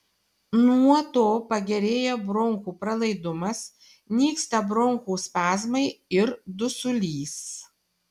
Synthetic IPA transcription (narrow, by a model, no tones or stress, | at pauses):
nuɔt̪oːpɐɡʲɛɾʲeːjɛbɾɔŋkuːpɾɐlˠɐɪd̪ʊmɐs | nʲiːkst̪ɐbɾɔŋkuːsʲpʲæːzmɐɪɪɾd̪ʊsʊlʲiːs